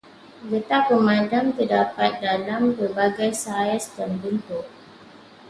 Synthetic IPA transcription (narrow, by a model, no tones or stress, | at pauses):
ɡət̪apəmãndamt̪ərdapat̪̚dalampəbaɡajsaəsdanbənt̪ʊʔ